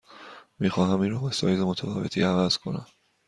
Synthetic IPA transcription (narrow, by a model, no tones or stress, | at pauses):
miːxɒːɦæmiːnɾɒːbesɒ̰ːjzemo̞t̪ʰæfɒ̰ːve̞t̪ʰḭːævæz̥kʰo̞næ̰m